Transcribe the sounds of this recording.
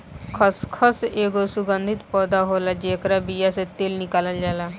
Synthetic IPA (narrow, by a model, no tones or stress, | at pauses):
kʰəskʰəseːɡosʊɡənd̪ʱɪt̪pɔːd̪aːɦoːlaːd͡ʒeːkɾaːbiːjaːset̪eːlnɪkaːləld͡ʒaːlaː